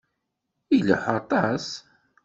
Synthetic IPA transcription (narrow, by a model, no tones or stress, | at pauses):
ilə̰ħɑt̪ˤɑs